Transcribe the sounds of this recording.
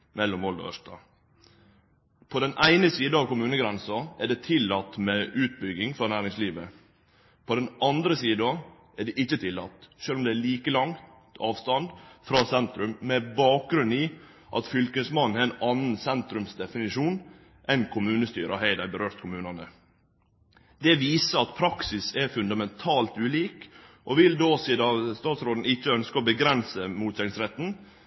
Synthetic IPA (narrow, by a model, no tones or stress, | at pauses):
mɛlːʊmʋɔlɑ̰œ̰ʂt̪ɑ̰ | pʰɔd̪ɛnʔæɪnəsiːd̪əɑʋkʊmʉːnəɡɾɛnsɑæɖɛt̪ʰɪlːɑt̪ːmɛʔʉːt̪̚bʏɡɪŋfɾɑnæːɾɪŋsliːʋə | pʰɔd̪ɛnɑnd̪ɾəsiːd̪ɑ | ʔæɖɛʔɪçːət̪ʰɪlːɑt̪ːʃøːlʊmd̪ɛːliːkəlɑŋt̪ɑːʋst̪ɑnd̪fɾɑːsɛnt̪ɾʉmmɛbɑːk̚ɡɾʉnːiː | ʔɑ̰t̪fʏlkəsmɑnːn̩ɛɛnɑnːn̩sɛnt̪ɾʉmsd̪ɛfɪnɪʂuːn | ʔɛnkʰʊmʉːnəst̪y̰ːɾʔɑɦæɪd̪æɪbəɾøːɾt̪kʰʊmʉːnɑnə | d̪ɛʋiːsəɑt̪pʰɾɑksɪsɛɾfʉnd̪ɑmɛnt̪ʰɑːlt̪ʉːliːkʔɔʋɪld̪oːsiːd̪ɑst̪ɑːt̪sɾoːd̪n̩ɪçːəœnskəɔbəɡɾɛnsəmuːt̪sɛŋsɾɛt̪ːn̩